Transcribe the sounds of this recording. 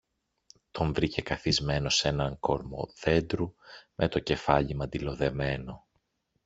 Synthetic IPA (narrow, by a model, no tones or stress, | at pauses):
t̪o̞ɱvɾice̞kɐθizme̞no̞se̞nɐŋko̞ɾmo̞̰ðe̞nd̪ɾumʔe̞t̪o̞ce̞fɐʎimɐd̪ilo̞ðe̞me̞no̞